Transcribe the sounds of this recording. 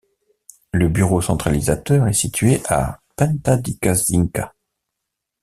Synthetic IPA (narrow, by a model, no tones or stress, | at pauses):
ləbyʁosɑ̃t̪χalizat̪œʁɛsit̪ɥeʔa̰pɛ̃nt̪ad̪ikaziŋka